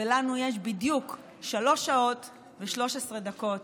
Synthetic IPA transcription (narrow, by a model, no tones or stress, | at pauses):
elanujeʃ̬bidjuk | ʃalo̞ʃao̞t | veʃlo̞ʃesʁe̞dako̞t